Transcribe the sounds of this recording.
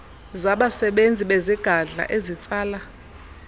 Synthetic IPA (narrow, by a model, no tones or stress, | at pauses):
zaɓasɛɓend͡zʱiɓeziɡ̥ʱaɮa̰ʔezit͡sʼaːla